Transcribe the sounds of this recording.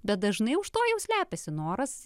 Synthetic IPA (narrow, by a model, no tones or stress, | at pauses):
bʲɛt̪̚d̪ɐʒnɐɪʊʃt̪oːjɛʊsʲlʲæːpʲɛsʲɪnoːɾɐs